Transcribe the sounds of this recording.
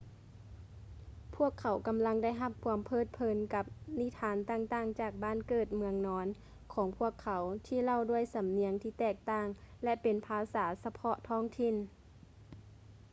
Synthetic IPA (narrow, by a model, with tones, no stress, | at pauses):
pʰu˥˩əkʰːa˩˦wka˨˦mla˧˥ŋda˧˥˩jɦa˧p̚kʰu˧˦əmpʰɤː˧˥˩t̪̚pʰɤː˨˦nka˧˥p̚ni˧˥˨t̪ʰaː˨˦nt̪aː˧˩ŋt̪aː˧˥˩ŋt͡ɕaː˨˩k̚baː˥˨nkɤː˧˩t̪̚mɯ˧əŋnɔː˧˦n | kʰɔː˨˦ŋpʰu˧˥˩əkʰːa˨˩˦wt̪ʰiː˧˨la˧˩˨wdu˧˥˩əjsa˨˦mni˧˦əŋt̪ʰiː˧˩t̪ɛː˧˩k̚t̪aː˧˩ŋ | lɛ˧ʔpe˨npʰaː˧˦saː˩˦sa˧pʰɔ˧ʔt̪ʰɔː˧˥˩ŋt̪ʰi˧˨n